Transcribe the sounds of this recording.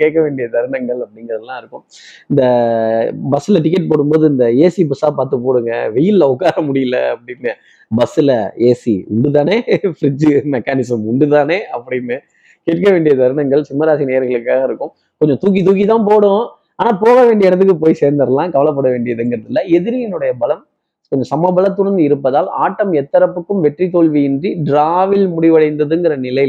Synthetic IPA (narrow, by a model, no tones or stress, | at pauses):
keːʈkːɐʋeːɳɖɪjɐd̪ɐɾɯɳɐŋɡɐɭɐpːɐɽɪŋɡɾɐðɐlːãːɪɾɯkːɯ̃m | ɪnd̪ɐ | bɐsːɪlɐʈ̬ɪk̬ːɛʈ̚poːɽɯmboːðɯɪnd̪ɐeːsibɐsaːpaːɾt̪ɯpoːɽɯŋɡɐ̰ʋɛjɪllɐʊkːaːɾɐmʊɽɪjɪlɐ̰ɐpːɐɽɪnːɐ | bɐsːɪlɐeːsḭʊɳɖɯt̪aːneːfɪɾɪd͡ʒmɛkːaːnɪsɐmʊɳɖɯt̪aːneːɐpːɐɽɪnːɯ | keːʈ̚kɐʋeːɳɖɪjɐd̪ɐɾɯɳɐŋɡɐɭsʊmːɐɾaːsineːɐɾɣɐɭɯkːaːɣɐɪɾɯkːɯ̃m | kɔɲd͡ʒɔ̃t̪uːk̬it̪̬uːk̬it̪ãːpoːɽʊ̃ | aːnaːpoːɣɐʋeːɳɖɪɐɛɽɐt̪̬ːɯk̬ːɯpoːjseːɾnd̪ɐɾɐlãːkɐʋɐlɐpːɐɽɐʋeːɳɖɪjɐðɯŋɡɪɾɐðɪlːɐɛðɪɾɪjɪnɯɽɐjɐbɐlɐm | kɔɲd͡ʒɐ̃sɐmɐbɐlɐt̪ːʊɽɐnd̪ɯɪɾɯpːɐðaːla̰ːʈːɐmɛt̪ːɐɾɐpːɯkːɯmʋɛʈrit̪oːɭʋijɪndriɖɾaːʋɪlmʊɽɪʋɐɽɐɪnd̪ɐðɯŋɡɪɾɐnɪlɐɪ